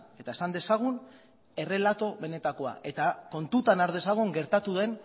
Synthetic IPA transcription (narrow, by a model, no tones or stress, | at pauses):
e̞t̪ae̞sand̪e̞saɣ̞un | e̞re̞lat̪o̞βe̞ne̞t̪ako̞a̰ʔe̞t̪ako̞nt̪ut̪anaɾðe̞saɣ̞uŋɡe̞ɾt̪at̪uðe̞n